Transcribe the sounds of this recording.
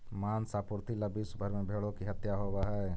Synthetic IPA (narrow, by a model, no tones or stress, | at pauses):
maːnsaːpʊɾt̪ʰilɐbʱisʊbʱəɾmẽbʱeːɭõkiɦɐt̪jaɦoːwaɦɛ